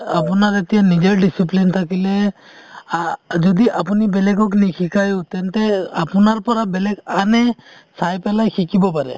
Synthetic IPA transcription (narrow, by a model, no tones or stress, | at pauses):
apɔnaɾet̪ijanid͡ʒeɾɖisiplint̪ʰakile | d͡ʒɔd̪iʔapunibɛlɛɡɔknikʰikajut̪ɛnt̪ɛapɔnaɾpɔɾabɛlɛkanɛ | sajpɛlajkʰikibɔp̬aɾɛ̰